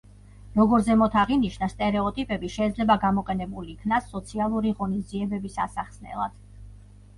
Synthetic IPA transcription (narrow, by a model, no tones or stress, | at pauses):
ɾɔɡɔɾzɛmɔt̪ʰaʁiniʃnast̪ʼɛɾɛɔt̪ʼipʼɛbiʃɛːd̪zlɛbaɡamɔqʼɛnɛbuliːkʰnasːɔt̪sʰialˠuɾiʁɔnizd̪iɛbɛbisasaχsnɛ̰lˠa̰d̪̥